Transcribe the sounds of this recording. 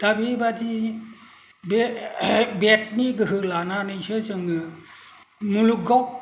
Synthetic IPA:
d̥abibadi | be | bet̚niɡɯɦɯlananɯsɯsɯŋɯ | muluɡɔk̚

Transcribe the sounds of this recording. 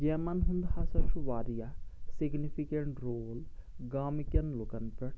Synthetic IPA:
ɡeːmɐnɦund̪hasɐɾʃuʋaːɾijasiɡnipʰikeɳʈɾoːlɡaːmikjɐnlukɐnpɐʈ

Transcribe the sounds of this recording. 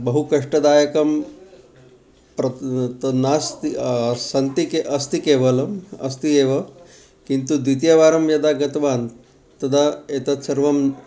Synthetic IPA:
bɐɦukɐʂʈɐd̪aːjɐkɐm | pɾɐt̪ɐnaːst̪isɐnt̪ikeʔɐst̪ikeːʋɐlɐmɐ̰st̪ieːʋɐ | kint̪ud̪ʋit̪̬jɐʋaːɾɐmjɐd̪aːɡɐt̪ɐʋaːn | t̪ɐd̪aeːt̪ɐt̪sɐɾʋɐm

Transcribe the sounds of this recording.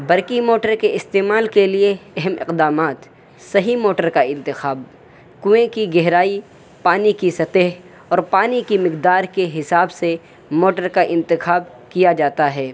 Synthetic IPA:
bɐɾkimoːʈəɾkeɪst̪eːmaːlkelieɛɦɛmɪ̰qd̪aːmaːt̪ | sɐɦimoːʈəɾkaɪ̃nt̪ɪxaːb̚ | kʊẽkiɡɛɦɾaːi | paːnikisɐt̪eɦ | ɔːɾpaːnikimɪqd̪aːɾkeɦɪsaːbse | moːʈəɾkaʔɪ̃nt̪ɪxaːb | kijad͡ʒaːt̪aɦɛː

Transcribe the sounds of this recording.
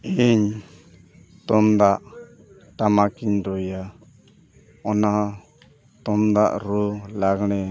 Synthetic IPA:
iɲ | t̪ɔmd̪aʔ | ʈamakiɲɾɔja | ɔna | t̪ɔmd̪aʔɾulaɡɽ̃ɛ

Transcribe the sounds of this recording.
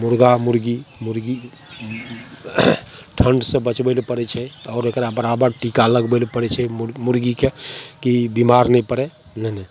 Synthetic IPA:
muɾɡamuɾɡimuɾɡi | ʈʰəɳɖsẽbət͡ʃbɛlpəɾɛt͡ʃʰɛɔːɾekɾabəɾabəɾʈikaləɡbelpəɾɛt͡ʃʰɛmuɾɡikekibimaɾnɛipəɾɛ | nənɛ

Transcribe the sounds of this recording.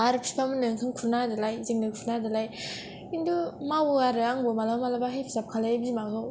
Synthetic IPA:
aɾɯpʰi̥pʰamɯnɯŋkʰɯŋkʰuɾnadɯlajziŋdɯkʰuɾnadɯlaj | indumawɯaɾɯaŋbɯmalamalabaɦejpʰi̥zap̚kʰalabimazɔ

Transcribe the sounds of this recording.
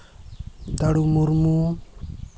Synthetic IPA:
d̪aɽumuɾmu

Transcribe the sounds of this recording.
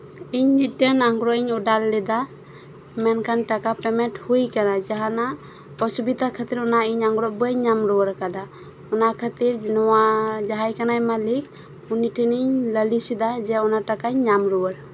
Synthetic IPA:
iɲniʈenaŋɡɾɔiɲɔdalːɛd̪a | mɛnkʰanʈakapɛmɛnʈhujkanad͡ʒaɦana | pɔsubid̪ʱakʰat̪iɾɔnaiɲaŋɡɾɔʔbuaɲamɾɔwəɾkad̪a | ɔnakʰat̪iɾnɔwad͡ʒaɦajkanajmalik̚ | uniʈeniɲləlisid̪ad͡ʒɛɔnaʈakaɲɲamɾuwəɾ

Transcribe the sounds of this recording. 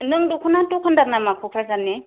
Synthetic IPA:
nɯŋdukʰɯnatokʰɯndaɾnamakʰukʰɾazanːe

